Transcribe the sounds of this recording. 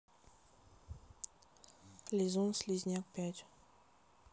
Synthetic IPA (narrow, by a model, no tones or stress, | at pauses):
lʲizunslʲizʲnʲak̚pʲatʲ